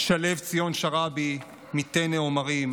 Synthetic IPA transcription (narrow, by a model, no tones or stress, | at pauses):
ʃale̞vt͡sijo̞nʃaʁabi | mit̪eneomaʁim